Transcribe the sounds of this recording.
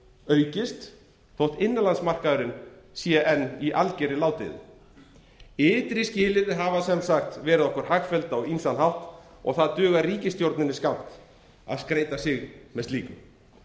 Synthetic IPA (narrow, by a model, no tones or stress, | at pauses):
œːɥcɪst̪ | θowht̪ɪnːɪlansmar̥kaðʏɾɪnsiːjaʔɛnːiʔalcɛɾɪlaːwt̪ɪ̰ðʏ̰ | ɪːt̪ɾɪscɪːlɪɾɦavasɛmsaxt̪vɛːɾɪðɔhkʏɾ̥haxfɛlt̪awinst̪anhawht̪ | ɔ̰ɣθaðt̪ʏːɣariːcɪst̪jowɾt̪nɪnɪskawm̥t̪ | a̰ðskɾeːjt̪asɪɣmɛðst̪liːkʏm